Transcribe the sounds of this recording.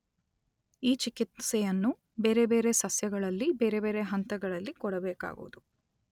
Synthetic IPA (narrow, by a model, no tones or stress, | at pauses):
iːt͡ʃikit̪sɛjɐnːu | be̞ːɾe̞be̞ːɾe̞sɐsjɐɡɐɭɐlːibe̞ːɾe̞be̞ːɾe̞ɦɐnt̪ɐɡɐɭɐlːikɔɽɐbeːka̰ːɡṵʋud̪u